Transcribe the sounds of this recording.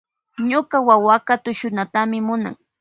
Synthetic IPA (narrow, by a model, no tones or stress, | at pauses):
ɲʊkawawakat̪ʊʃʊnat̪amɪmʊna̰ŋ